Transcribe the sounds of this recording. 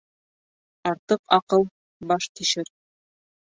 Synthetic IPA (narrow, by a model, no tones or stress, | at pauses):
ɑɾt̪ɤqɑqɤlˠ | bɑʃt̪iʃɘɾ